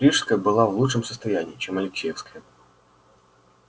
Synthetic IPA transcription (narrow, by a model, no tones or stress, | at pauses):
ɾʲiʂskəjəbɨlˠavlˠuʂɨmsə̥st̪ɐjænʲɪ̰iːt͡ɕɛmɐlʲɪksʲejɛfskəjə